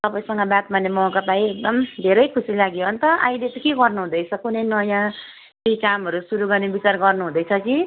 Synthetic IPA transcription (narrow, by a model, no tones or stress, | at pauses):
t̪ʌpaĩsʌŋɡʌbat̪manːemʌkapaiek̚d̪ʌmd̪ʱeɾʌjkʰusilaɡjoʌnt̪ʌʔa̰ilet̪ʌkeɡʌrnuɦũd̪ʌjt͡sʰʌkunʌjnʌjã | kejkamɦʌɾusuɾuɡʌrnebit͡sarɡʌrnuɦũd̪ʌjt͡sʰʌki